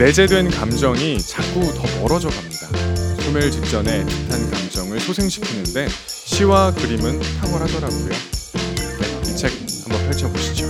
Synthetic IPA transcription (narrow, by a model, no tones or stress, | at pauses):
ne̞d͡ʑe̞dwe̞nkamd͡ʑʌŋit͡ɕʰak͈utʌmʌɾʌd͡ʑʌɡamɲidasʰomjʌɭt͡ɕip̚t͡ɕ͈ʌne̞t͡ɕitʰankamd͡ʑʌŋɯɭsʰosʰe̞ŋɕʰi̥kʰinɯnde̞ɕʰiwakɯɾimɯnsʰaɡuɦadʌɾaɡojo | eit͡ɕʰe̞k̚hambʌnpʰjʌɭt͡ɕʰʌboɕʰi̥d͡ʑo